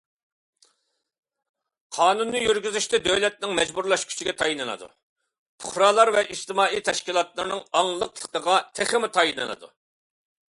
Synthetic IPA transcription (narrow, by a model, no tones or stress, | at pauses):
qʰɑːnunːɨjyɾɡʲyzyʃt̪ɛd̪øwlɛt̪̚nɪŋmɛd͡ʒbuɾlˠɑʃkʲʰy̥t͡ʃʰiɡʲɛt̪ʰɑjinɨnɨ̰d̪ṵ | pʰʊχɾɑːlˠɑɾvɛʔiʃt̪ɪmɑːijt̪ʰɛʃkʲilˠɑt̪lˠɨɾnɨŋɑŋlˠəqlˠə̥qəʁɑt̪ʰeχɪmɪt̪ʰɑjinɨ̰nɨ̰d̪ṵ